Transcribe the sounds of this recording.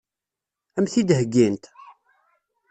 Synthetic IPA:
æmθid̪ɦəɡːint̪

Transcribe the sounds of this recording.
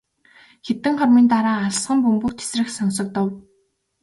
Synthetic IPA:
xet̪ɘ̆ŋχɔrmiːnt̪aɾaːɮsχə̆mpɵmɡɵ̆k̚t̪ʰe̥srɘ̆xsɔnsɞ̆k̚t̪ɞ̆w

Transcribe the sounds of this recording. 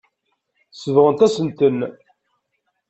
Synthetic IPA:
səvʁənt̪æsənt̪ən

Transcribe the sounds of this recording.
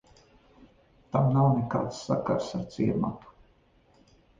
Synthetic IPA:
t̪amnawneka̰ːt̪sːaka̰ɾsaɾt̪siɛɾma̰t̪u̥

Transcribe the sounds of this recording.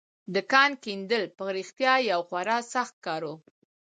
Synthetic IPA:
d̪əkɑnkind̪əlpəɣɾixt̪jɑjawxwaɾɑsaxt̪̚kɑɾo

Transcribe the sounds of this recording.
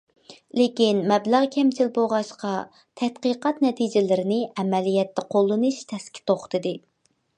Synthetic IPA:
lekʲinmɛblæʁkʲʰɛmt͡ʃʰilboʁɑʃqɑ | t̪ʰɛt̪qɨqɑt̪nɛt̪ʰid͡ʒɪlɪɾɪnɪɛmɛlijɛt̪ʰːɛqʰolˠːɨnuʃt̪ʰɛskʲʰi̥t̪oχt̪ʰɨd̪ɨ

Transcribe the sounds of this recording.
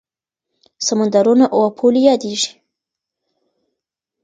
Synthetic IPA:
samand̪aɾunaʔowapʰolijɑd̪eʐi̥

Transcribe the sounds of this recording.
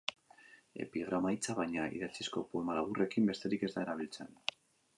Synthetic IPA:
e̞̰piɣ̞ɾamajt͡saβajɲaḭðat͡sisko̞poe̞malaβure̞kimbe̞st̪e̞ɾike̞zd̪ae̞ɾaβ̞ilt͡se̞n

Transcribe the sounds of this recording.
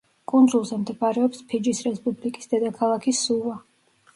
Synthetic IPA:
kʼund̪zulˠzɛmd̪ɛpʼaɾɛɔpspʰid͡ʒisɾɛspʼublikʼi̥sd̪ɛd̪akʰalˠakʰisːuva

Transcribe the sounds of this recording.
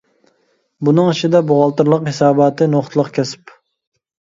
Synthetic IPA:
bunɨŋɪʃɪd̪ɛboʁɑlˠt̪ɨɾlˠəqhɪsɑːbɑt̪ʰɨnoχt̪ʰlˠəqkʲʰɛsɪ̥p

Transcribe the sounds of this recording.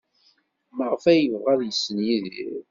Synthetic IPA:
məʁfæjəvʁæðjəsːənjiðḭɾ

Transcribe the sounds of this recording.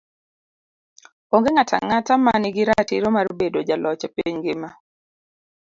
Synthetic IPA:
oŋɡeŋatʰa̰ŋatamanɪɡɪɾatiɾomarbedod͡ʒalɔt͡ʃepiɲɡɪma

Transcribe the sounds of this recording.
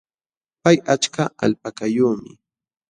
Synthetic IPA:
pajat͡ʃkaʔa̰lpakajuːmɪ

